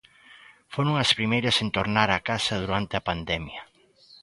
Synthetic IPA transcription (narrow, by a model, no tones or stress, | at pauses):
foɾoŋɐspɾimejɾɐsent̪oɾnaɾakasɐð̞uɾant̪eɐpand̪ɛmjɐ